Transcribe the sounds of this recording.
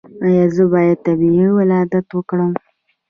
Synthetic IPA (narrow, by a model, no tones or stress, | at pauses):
ajɑzəbɑjad̪̚t̪abiiwalɑd̪at̪wəkɽəm